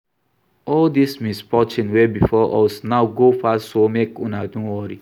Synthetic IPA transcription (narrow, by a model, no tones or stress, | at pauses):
ɔldismispɔt͡ʃĩnwebifɔʔɔsnaʊɡofastsomekunadũwɔɾi